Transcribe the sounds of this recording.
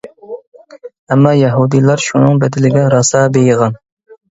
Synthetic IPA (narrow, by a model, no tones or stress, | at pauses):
ɛmːɑjɛɦud̪ijlˠɑɾʃunɨŋbɛd̪ɪlɪɡʲɛɾɑsɑːbejəʁɑn